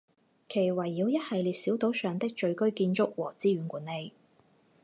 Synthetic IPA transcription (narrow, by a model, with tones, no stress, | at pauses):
kʰe˨˩jwɐ˨˩jːiː˨˧wjɐ˥t̚hɐ˨jliː˨t̚siː˨˥wt̪o˨˥wsœː˨ŋt̪ɪ˥k̚t͡ʃɵ˧ɥkɵ˥ɥkiː˧nt͡sʊ˥k̚wɔː˨˩t͡siː˥ɥyː˨˥nkʷuː˨˥nːe˨˧j